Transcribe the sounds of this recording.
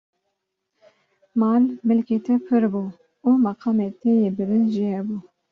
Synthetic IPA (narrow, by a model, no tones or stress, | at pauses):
mɑːlmɨlket̪ʰɛpʰɨɾbuː | umɑqʰɑːmet̪ʰejebɨɾinʒihɛbuː